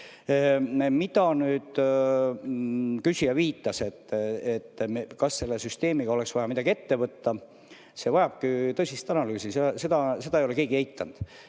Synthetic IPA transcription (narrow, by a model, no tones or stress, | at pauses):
mid̪̥ɑnyːd̪̥ | kysijɑviːt̪ːˑɑse̞t̪ːet̪ːkɑsːe̞lːesyst̪e̞ːmiɡ̥ɑo̞le̞ksvɑjɑmid̪ɑɡie̞t̪ːe̞vɤt̪ːɑ | se̞vɑjɑb̥̚kit̪ɤsist̪ɑnɑlyːsisese̞d̪̥ɑse̞d̪ɑejole̞ke̞ːɡiejt̪ːˑɑnd̪̥